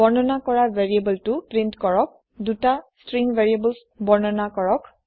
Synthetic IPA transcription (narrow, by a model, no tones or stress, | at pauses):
bɔɹnɔnakɔɹaveɹiebɔltʊpɹintkɔɹɔk̚ | dutastɹiŋveɹiebəls | bɔɹnɔnakɔɹɔk